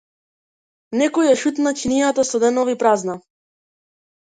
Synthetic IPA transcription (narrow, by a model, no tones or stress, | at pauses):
nɛkɔjaʃut̪nacinijat̪asɔd̪ɛnɔvipɾazna